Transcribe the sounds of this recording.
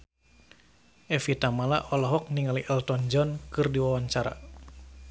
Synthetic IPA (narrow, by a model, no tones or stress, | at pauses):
ʔɛfit̪amala̰ʔɔlɔɦɔk̚niŋaliʔɛlt̪ɔnd͡ʒɔnkɨrdiwawaɲt͡ʃaɾa̰